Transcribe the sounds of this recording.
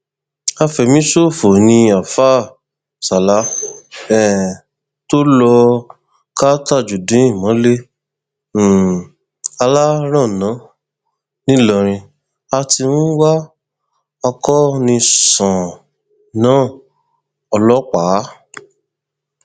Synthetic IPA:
a˧fɛ˨mĩ˦so˦˨fo˨nĩ˧a˨fa˦ | sa˨la˦ɛ˦˨ | to˦lɔ˧ | ka˦ta˦˨d͡ʒu˨dũ˨˦ĩ˦˨mɔ̃˨˦le˦˨ | a˧la˦ɾ̃ã˦˨nã˨˦ | nĩ˦lɔ˦˨ɾ̃ĩ˧ | a˧ti˧wũ˦wa˦ | ɔ˧kɔ˦nĩ˧sɔ̃˨ | nãː˦˨ | ɔ˧lɔ˦k͡pa˨˦

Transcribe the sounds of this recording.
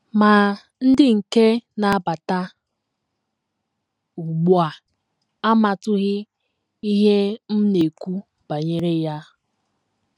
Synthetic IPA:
ma˨ | n̩˦dɪ˦ŋ̩˨ke˦na˨a˦˨ba˨ta˦ | u˨ɡ͡bu˦a˨ | a˦ma˨tʊ˦ɣɪ˦ | i˦ɦe˦m̩˦ne˨kʷu˦ | b̥a˨ɲe˦ɾe˦ja˦

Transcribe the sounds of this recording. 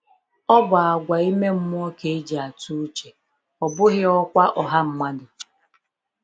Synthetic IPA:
ɔ˦bʊ˨a˨ɡʷa˨i˦me˦m̩˦mʊ˦ɔ˦ke˨˦d͡ʒi˨a˨tu˦u˦t͡ʃe˨ | ɔ˨bʊ˦ɣɪ˦ɔ˦kʷa˦ʔɔ˨ɦa˦m̩˦ma˦dʊ˨

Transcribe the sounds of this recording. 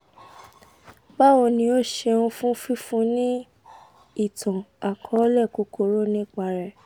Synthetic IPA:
ba˦wõ˧nĩ˧o˦˨ʃe˧ũ˧fũ˦fi˦fũ˦nĩ˦ | i˦˨tʰɔ̃˨a˨kʰɔ̃˨˧˦lɛ˦˨ku˨˦ko˦˨ɾo˦nĩ˦˨k͡pa˧ɾɛ˨

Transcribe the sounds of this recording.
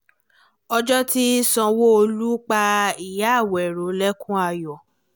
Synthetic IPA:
ɔ˧d͡ʒɔ˦ti˦sɔ̃˧wo˦o˧lu˦k͡pa˧i˨ja˦˨wɛ˨ɾo˨˦lɛ˦kũ˦a˧˨jɔ˨

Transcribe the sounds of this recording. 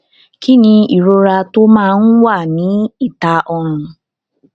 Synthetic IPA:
kʰi˦nĩ˧i˨ɾo˧ɾa˧to˦mãː˦˨n̩˦wa˦˨nĩ˨˦i˦˨ta˦ʔɔ˧ɾʊ̃˧

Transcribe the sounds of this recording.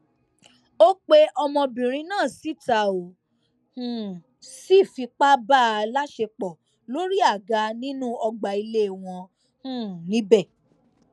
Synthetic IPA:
o˦k͡pe˦ɔ˧mɔ̃˧bĩ˨ɾ̃ĩ˧˦nãː˦˨si˨˦ta˨o˨ | ũ˨ | si˦˨fi˧k͡pa˦ba˦˨la˦ʃe˧k͡pɔ˨ | lo˦ɾi˦a˦˨ɡa˧˦nĩ˦nũ˦ɔ˧ɡ͡ba˨i˧le˦˨w̃ɔ̃˧ | hũ˦nĩ˨˦bɛ˦˨

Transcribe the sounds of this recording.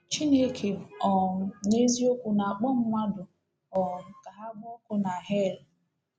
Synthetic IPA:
t͡ʃi˦ne˦kʰe˨ɔ˨ɲe˦zi˦o˦kʷu˨na˨a˨k͡pɔ˦m̩˦mʷa˦dʊ˨ | ɔ˨ka˨ɦa˦ɡɔ˦kʊ˦na˨ɦe˦˨l

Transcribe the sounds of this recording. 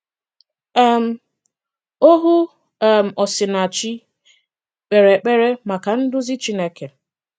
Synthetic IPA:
a˦˨m̩˨˦ | o˦ɦʊ˦˨ | m̩˨ɔ˨sɪ˨na˨t͡ʃi˦ | k͡pe˨ɾe˨k͡pe˦ɾe˦ma˨ka˨n̩˦dʊ˦zi˦t͡ʃi˦ne˦ke˨

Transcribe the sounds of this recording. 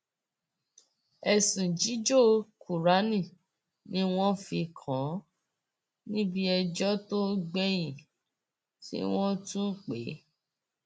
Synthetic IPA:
ɛ˧˨sĩ˨d͡ʒi˨˦d͡ʒo˦˨kʰu˨ɾa˨˦nĩ˦˨ | nĩ˦w̃ɔ̃˦fi˧kʰã˨˦ | nĩ˦bi˦ɛ˧d͡ʒɔ˦to˦ɡ͡bɛ˦j̃ĩ˨ | tḭ˦w̃ɔ̃˦tũ˦˨k͡pe˨˦

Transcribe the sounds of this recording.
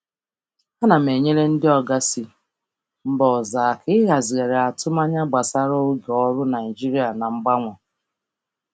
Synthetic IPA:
a˦na˨me˨ɲe˦ɾe˦n̩˦dɪ˦ɔ˦ɡa˦si˦ | m̩˦bɔ˨zaː˨kɪ˦ɣa˨zɪ˨ɣe˨ɾe˨a˨tʊ˦ma˦ɲa˦ɡ͡ba˨sa˦ɾɔ˦o˦ɡe˨ɔ˦ɾʊ˦na˨i˨d͡ʒi˦ɾi˦a˨na˨ŋ͡m̩˦ɡ͡ba˦ŋʷɔ˨

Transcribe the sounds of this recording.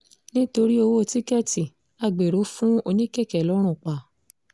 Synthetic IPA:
nĩ˦to˧ɾi˦o˧wo˦˧ti˦kɛ˦˨ti˨ | a˧˨ɡ͡be˨ɾo˨˦fũ˦o˧nĩ˦kɛ˦˨kɛ˨lɔ˨˦ɾ̃ũ˦˨k͡pa˨

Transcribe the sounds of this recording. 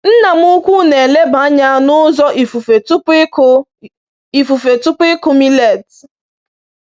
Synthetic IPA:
n̩˦na˨mʊ˦kʷu˦ne˨le˦ba˨˦ɲa˦nʊ˦zɔ˦ʔi˨fu˨fe˨˦p | i˨fu˨fe˨tʊ˦pʊ˦ɪ˦kʊ˦mi˦le˨t

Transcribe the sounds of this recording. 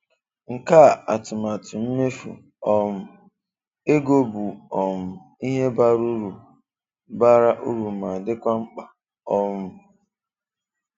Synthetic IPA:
ŋ̩˨ka˦˨a˨tʊ˨ma˨tʊ˨m̩˦me˦fṵ˨ | ɔ˦m̩˦ | e˦ɡo˦bu˨ɔ˨m̩˨ | i˦ɦe˦ba˦ɾu˦ɾu˨ | ba˦ɾa˦ʔu˦ɾu˨ma˨dɪ˦kʷa˦ŋ͡m̩˦k͡pa˨ | ɔ˦mʊ˦

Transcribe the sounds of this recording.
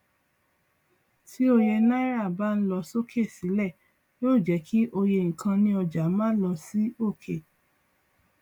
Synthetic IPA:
ti˦o˧je˧na˦i˦ɾa˦˨ba˦˧n̩˦lɔ˧so˦kʰe˦˨si˨˦lɛ˦˨ | joː˦˨d͡ʒɛ˨˦kʰi˦ʔo˧je˧˨ŋ̩ĩ˨kʰã˧nĩ˧˦ɔ˧d͡ʒa˨˦mãː˦lɔ˧si˦o˦˨kʰe˦˨

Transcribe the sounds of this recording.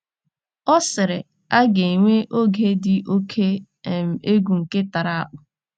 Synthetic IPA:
ɔ˦sɪ˨ɾɪ˨ | a˦ɡe˨ŋʷe˦ʔo˦ɡe˦dɪ˨ʔo˦kʰe˦˨ | m̩˨e˦ɡʷu˨ŋ̩˨ke˦ta˨ɾa˦˨a̰˦k͡pʊ˨

